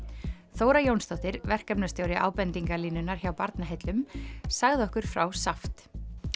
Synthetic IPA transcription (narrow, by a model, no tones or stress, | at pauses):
θoːwɾajownst̪ɔht̪ɪɾvɛr̥kapnast̪jowɾjɪʔa̰ːwpɛnt̪iŋkaliːnʏnːaɾ̥çawpaɾt̪naɦejt̪lʏmsaɣðɪɔhkʏɾ̥fɾawsaft̪